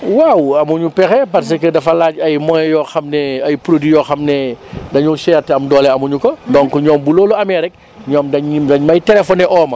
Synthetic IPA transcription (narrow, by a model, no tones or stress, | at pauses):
wawɐmuɲupɛxɛpɐrs̬ɐkədɐfɐlaːɟɐjmɔːjjɔːxɐmnɛɐjpɾodijɔːxɐmnɛdɐɲusɛːrtɛɐmdɔːlɛɐmuɲukɔdɔŋkuɲɔːmbuloːluɐmɛːɾɛk̚ | ɲɔːmdɐɲimdɐɲmɐjtɛlɛfɔnɛʔɔːmɐ